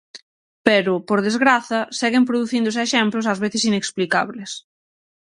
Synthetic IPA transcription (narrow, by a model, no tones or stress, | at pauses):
pɛɾʊpoɾðezɣɾaθɐsɛɣɪmpɾoðuθind̪ʊsɪɛʃɛmplʊs̬ɐzβeθɪsineksplikaβles